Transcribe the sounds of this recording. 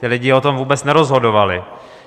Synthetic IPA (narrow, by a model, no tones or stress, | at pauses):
t̪ɪlɪɟɪot̪o̞mvuːbɛt͡snɛɾozɦo̞dovalɪ